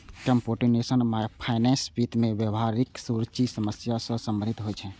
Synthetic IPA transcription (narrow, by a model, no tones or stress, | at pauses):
kəmpoʈinesənmapʰaɪnɛ̃spit̪mẽbjəʋɦaɾiksuɾət͡ʃisəməsjasə̃sə̃mbənit̪ɦojt͡ʃʰɛ̃